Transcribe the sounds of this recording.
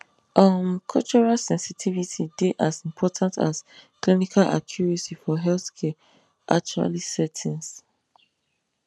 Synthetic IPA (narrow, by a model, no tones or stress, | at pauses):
ʔamkʰɔlt͡ʃɔɹalsɛ̃nsitʰivitʰideʔasĩmpʰɔtʰãntʰa̰sklinikʰalʔa̰kʰjuɹɛsifɔɦɛlθkʰɛ | ʔa̰k̚t͡ʃua̰lisɛtʰĩns